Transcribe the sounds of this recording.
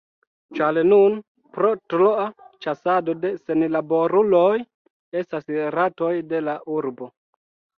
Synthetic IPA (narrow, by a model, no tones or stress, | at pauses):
t͡ʃalenun | pɾotloat͡ʃasado̞de̞se̞nlabo̞ɾulo̞j | e̞stasɾato̞jde̞laʔuɾbo